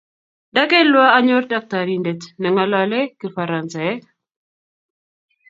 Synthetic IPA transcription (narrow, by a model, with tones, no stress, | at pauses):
da˦kɛ˦lwa˦a˦ɲɔ˦ɾda˨k̚taɾindɛtnɛ˨ŋa˦lalɛ˦kifaɾansa˨ɛ˦